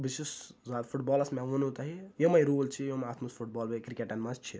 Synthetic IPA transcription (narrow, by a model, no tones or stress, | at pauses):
bisiszad̪fʰuʈ̚bɔːlɐsmeʋunut̪ɐɦijomɐjɾuːlt͡ʃʰijomaːt̪ʰmɐspʰuʈ̚bɔːlbekɾikeʈɐnmɐst͡ʃʰi